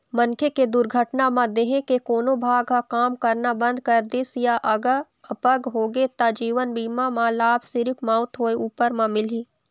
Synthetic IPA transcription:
mənkʰeked̪ʊɾɡʱəʈnamãd̪eːɦẽkekoːnobʱaːɡakaːmkɐɾnabə̃nd̪̚kəɾd̪ɪsjaʔəɡa | əpəɡɦoːɡet̪ad͡ʒiːʋənbiːmãmãlaːbʱsɪɾɪpʰmaʊt̪ɦoːeuːpəɾmãmɪliː

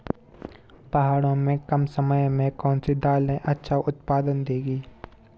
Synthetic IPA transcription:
pɐɦaːɽõmẽkɐmsəməjmẽkɔ̃ːnsid̪aːlẽʔɐtːʃʰaʔʊt̪paːd̪ənd̪eːɡiː

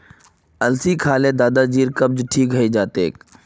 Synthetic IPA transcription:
ɐlsikʰaːled̪aːd̪ad͡ʒiːɾkɐb̚d͡ʒʈʰiːkɦəid͡ʒaːt̪ḛːk

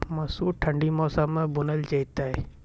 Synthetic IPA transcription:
mɐsuːʈʰɐ̃ɳɖimɔːsamẽbʊnəlt͡ʃɐit̪aɦe

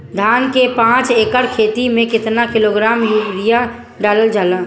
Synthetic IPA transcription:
d̪ʱaːnkepãːt͡ʃeːkəɾkʰeːt̪imẽkɪt̪nakɪloɡɾaːmjuːbɾija | ɖaːləld͡ʒaːlãː

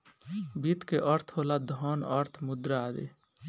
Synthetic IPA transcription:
bit̪keʔəɾt̪ʰɦolad̪ʱɔnəɾt̪ʰmʊd̪ɾaad̪ḛ

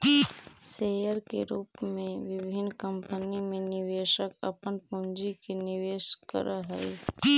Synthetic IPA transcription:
seːjəɾkeɾuːpmẽʋɪbʱɪnːkəmpənimẽnɪʋeːʃəkɐ̰pənpʊ̃nd͡ʒikenɪʋeːʃkə̰ɾaɦɛi

